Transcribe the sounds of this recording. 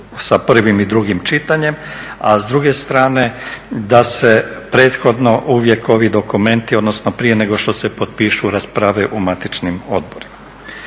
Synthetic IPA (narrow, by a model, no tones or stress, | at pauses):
sapr̩ʋimid̪ɾuɡimt͡ʃit̪aɲe̞mazd̪ɾuɡe̞st̪ɾaːne̞d̪ase̞pɾe̞ːt̪xo̞d̪no̞ʔuːʋje̞ko̞ʋid̪o̞kume̞nt̪io̞d̪nosnopɾije̞ne̞ɡo̞ʃt̪o̞se̞pot̪̚piːʃuɾaspɾaʋeʔumat̪it͡ʃnimo̞̰d̪̚bo̞ɾima